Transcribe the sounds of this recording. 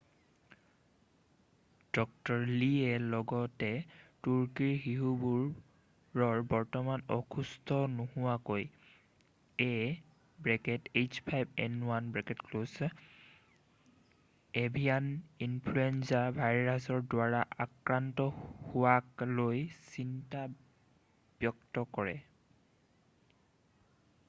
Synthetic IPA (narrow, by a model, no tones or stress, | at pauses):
d̥ɔk̚tɔɹliɛlɔɡɔtɛtuɹkiɹɦiɦubuɹ | ɹɔɹbɔɹtɔmanɔ̰kʰustʰɔnuhʊwakoj | ɛ | bɹɛkɛtet͡ʃpʰajbɛnwanbɹɛkɛtkloz | ebʱijaninpʰluɛnzabʱajɹasɔɹdwaɹaʔakɹantɔhuwaklojsinta | b̥jɔktɔkɔɹɛ